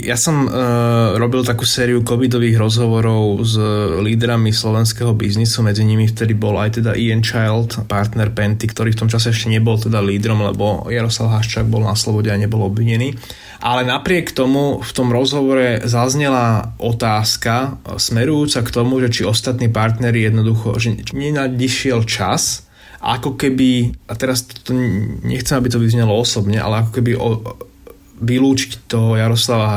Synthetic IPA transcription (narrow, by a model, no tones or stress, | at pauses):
jasɔm | ɾɔbilt̪akuːsɛːɾiukɔʋid̪ɔʋiːɣɾɔzɦɔʋɔɾɔʊzliːd̪ɾamislɔʋɛnskɛɦɔbiznisumɛd͡ziɲimift̪ɛd̪ibɔla̰jt̪ɛd̪a̰ʔiɛnt͡ʃajlt̪paɾt̪nɛɾpɛnt̪ikt̪ɔɾiːft̪ɔmt͡ʃasɛɛʃcɛɲɛbɔlt̪ɛd̪aliːd̪ɾɔmlɛ̰bɔjaɾɔslaʊɦaʃt͡ʃaːɡ̚bɔlnaslɔbɔɟɛaɲɛbɔlɔbʋiɲɛniː | ʔalɛnapɾɪɛkt̪ɔmuft̪ɔmɾɔzɦɔʋɔɾɛzazɲɛlaʔɔt̪aːskasmɛɾujuːt͡sakt̪ɔmuʒɛt͡ʃiɔst̪at̪niːpaɾt̪nɛɾijɛd̪nɔd̪uxɔ̰ʒɛɲɛaiʃɪɛlt͡ʃa̰s | ʔa̰kɔkɛbiʔat̪ɛɾast̪t̪ɔɲɛ̰xt͡sɛmabit̪ɔʋizɲɛlɔɔsɔbɲɛʔa̰lɛakɔkɛbiʔɔ | ʋiluːt͡ʃi̥ct̪ɔɦɔjaɾɔslaʋaɦ